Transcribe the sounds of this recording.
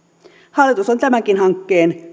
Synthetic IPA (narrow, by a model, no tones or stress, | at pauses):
hɑlːˑit̪usont̪æmæŋkinhɑŋkːe̞ːn